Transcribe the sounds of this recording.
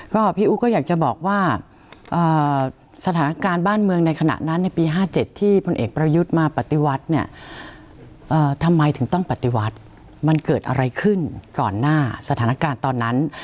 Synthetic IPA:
kɔː˥˩pʰiː˥˩ʔuː˦˥kɔː˥˩jaː˨˩k̚t͡ɕa˨˩bɔː˨˩k̚waː˥˩ | ʔɤː˨˩ | sa˧t̪ʰaː˩˦na˦˥kaː˧nbaː˥˩nmɯ˧əŋna˧jkʰa˧na̰˨˩ʔna˦˥nːa˧˩jpiː˧ɦaː˥˩t͡ɕe˨˩t̪ʰːiː˥˩pʰo˧nʔeː˨˩k̚pɾa˧ju˦˥t̪̚maː˧pa˨˩t̪ːi˧˦wa˦˥t̪̚ni˥˩ɐ | ʔɤː˨˩t̪ʰa˧mːa˧jt̪ʰɯ˩˦ŋt̪ɔ˥˩ŋpa˨˩t̪ːi˨˧wa˦˥t̪̚ | ma˧nkɤː˨˩t̪̚ʔa̰˧ɾa˧jkʰɯ˥˩nkɔː˨˩nːaː˥˩sa˧t̪ʰaː˩˦na˦˥kaː˧nt̪ɔː˧nːa˦˥n

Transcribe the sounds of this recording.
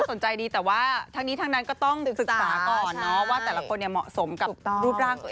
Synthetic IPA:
so˩˦nt͡ɕa˧jdiː˧t̪ɛː˨˩waː˥˩t̪ʰaː˦˥ŋniː˦˥t̪ʰa˦˥na˦˥nkɔː˥˩t̪ɔ˥˩ŋ˨˩sɯ˨˩k̚ːsaː˩˦kɔː˨˩nːɔ˦˥waː˥˩t̪ɛː˨˩la˧˦kʰo˧nːi˧˩əmɔ̰˨˩ʔso˩˦mka˨˩pɾuː˦˥˩t̚ɾaː˥˩ŋ

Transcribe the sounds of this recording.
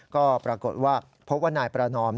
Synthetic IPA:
kɔː˥˩pɾa˧ko˨˩t̪̚waː˥˩ | pʰo˦˥p̚waː˥˩naː˧˩jpɾa˧nɔː˦˥m

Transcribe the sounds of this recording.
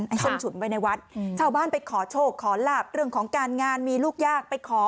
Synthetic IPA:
nʔa˧˩jsɯ˥˩nt͡ɕʰu˨˩˦nwa˧jna˧jwa˦˥t̪̚t͡ɕʰaː˥˩wbaː˥˩npa˧jkʰɔː˩˦t͡ɕʰoː˥˩kʰːɔː˩˦laː˥˩p̚ɾɯ˥˩əŋkʰɔː˩˦ŋkaː˧nŋaː˧nmiː˧luː˥˩k̚jaː˥˩k̚pa˧jkʰɔː˩˦

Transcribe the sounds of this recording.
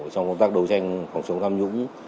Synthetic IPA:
t͡ɕɔ˧ŋ͡mkə˧ŋ͡mt̪aː˦˥k̚ɗə˨˦wt͡ɕa˧jŋ̟fa˨˩ŋ͡mt͡ɕɨ˨˦ŋ͡mt̪ʰaː˧mzʊ̰˧˥ŋ͡m

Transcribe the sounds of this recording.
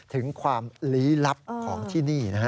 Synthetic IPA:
t̪ʰɯ˩˦ŋkʰwaː˧mliː˦˥la˦˥p̚kʰɔː˩˦ŋt̪ʰiː˥˩niː˥˩na˦˥kʰa˦˥

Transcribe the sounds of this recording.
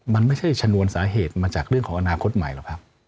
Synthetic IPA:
ma˧nma˥˩jt͡ɕʰa˥˩jt͡ɕʰa˧nu˧ənsaː˩˦ɦeː˨˩t̪̚maː˧t͡ɕaː˨˩k̚ɾɯ˥˩əŋkʰɔː˩˦ŋʔa˧naː˧kʰo˦˥t̪̚ma˨˩jlɛː˨˦˩wkʰa˦˥p̚

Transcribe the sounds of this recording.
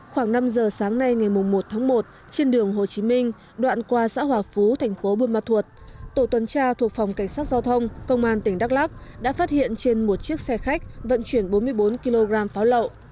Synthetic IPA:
xwaː˧˩ŋna˧mzəː˨˩saː˨˦ŋna˧jŋa˨˩jmʊ˨˩ŋ͡mmo˨˩t̚t̪ʰaː˨˦ŋmo˨˩t̚ | t͡ɕe˧nɗɨ˨˩əŋɦo˨˩t͡ɕi˨˦mï˧ŋ̟ | ɗwa̰ː˧˨nkwaː˧sa̰ː˧˥ɦwaː˨˩fu˨˦t̪ʰɛ˨˩jŋ̟fo˨˦ɓu˧ənmaː˧t̪ʰu˨˩ət̚t̪o˧˩t̪wə˨˩nt͡ɕaː˧t̪ʰu˨˩ək̚fa˨˩wŋ͡mka˧˩jŋ̟saː˦˥t̚za˧wt̪ʰə˧wŋ͡mkə˧wŋ͡mʔaː˧nt̪ï˧˩ŋ̟ɗa˦˥k̚la˦˥k̚ɗa̰ː˧˥faː˦˥t̚hḭ˧˨ənt͡ɕe˧nmo˨˩t̚t͡ɕi˦˥ək̚sɛ˧xa˦˥k̟̚və̰˧˨nt͡ɕwi˧˩ənɓo˨˦nmɨ˧əjɓo˨˦nki˧lo˧ɣaː˧mfaː˨˦wlə̰˧˨wʔ

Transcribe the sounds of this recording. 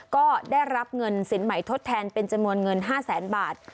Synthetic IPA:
kɔː˥˩daː˥˩jɾa˦˥p̚ŋɤ˧nsi˩˦nma˩˦jt̪ʰo˦˥t̪ʰːɛː˧npe˧nt͡ɕa˧mnu˧ənŋɤ˧nɦaː˥˩sɛː˩˦nbaː˨˩t̪̚

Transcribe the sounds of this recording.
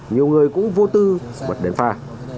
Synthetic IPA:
ɲi˨˩əwŋɨ˨˩əjkʊ̰˧˥ŋ͡mvo˧t̪ɨ˧mə̰˨˩t̚ɗe˨˩nfaː˧˩

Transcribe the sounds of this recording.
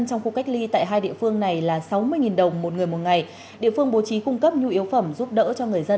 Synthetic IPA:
nt͡ɕɔ˧wŋ͡mxu˧ka˦˥jk̚li˧t̪a̰ː˧˨jɦaː˧jɗḭ˧˨əfɨ˧əŋna˨˩jlaː˨˩sa˨˦wmɨ˧əjŋi˨˩nɗə˨˩wŋ͡mmo˨˩t̚ŋɨ˨˩əjmo˨˩t̚ŋa˨˩j | ɗḭ˧˨əfɨ˧əŋɓo˨˦t͡ɕi˨˦kʊ˧ŋ͡mkə˦˥p̚ɲu˧ʔi˨˦əwfə˧˩mzu˦˥p̚ɗə̰ː˧˥t͡ɕɔ˧ŋɨ˨˩əjzə˧n

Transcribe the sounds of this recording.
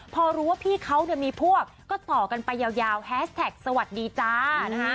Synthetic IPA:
pʰɔː˧ɾuː˦˥waː˥˩pʰiː˥˩kʰa˦˥wnɯ˥˩miː˧pʰu˥˩ək̚kɔː˥˩t̪ɔː˨˩ka˧npa˧jːaː˧wjaː˧whɛː˦˥st̪ʰɛ˨˩k̚sa˧wa˨˩t̪̚diː˧t͡ɕaː˧˥˦

